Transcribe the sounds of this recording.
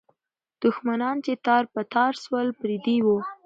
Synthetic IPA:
d̪̥ʊxmanɑnt͡ʃet̪ɑɾpət̪ɑɾswəlpɾid̪iwo

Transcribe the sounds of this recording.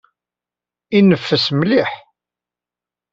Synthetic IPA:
inəfːəsmliħ

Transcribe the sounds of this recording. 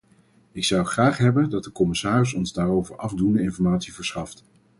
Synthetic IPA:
ɪksʌwχraːχɦɛbəndɑt̚dəkɔmɪsaːrɪsɔnzdaːrowvəɹʔɑvdundəɪnfɔɹmaːtsivəɹsχɑft

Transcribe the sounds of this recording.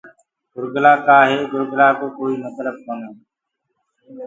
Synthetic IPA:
ɡʊɾɡlaːkaːɦeːɡʱʊɾɡlaːkoːkoːiːmət̪ləb̚konoː

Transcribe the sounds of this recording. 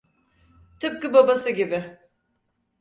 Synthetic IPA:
t̪ʰɯp̚kɯbabasɯɟʲibɪ

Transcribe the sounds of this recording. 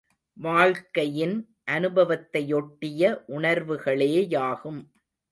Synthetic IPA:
ʋaːɭkɐjɪn | ʔɐnɯbɐʋɐt̪ːɐjɔʈːɪjɐʔʊɳɐɾʋɯɣɐɭeːjaːɣɯm

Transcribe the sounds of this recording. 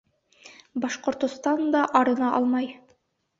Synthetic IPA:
bɑʃqŏɾt̪ŏst̪ɑnd̪ɑʔɒɾɤ̆nɑʔɑ̰lˠmɑj

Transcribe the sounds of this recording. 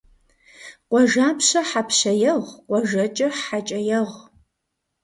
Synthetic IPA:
qʷʼɔʒaːpʰɕɐħapʰɕɐjɐʁqʷʼɔʒɐt͡ʃʼɐat͡ʃʼɐjɐʁ

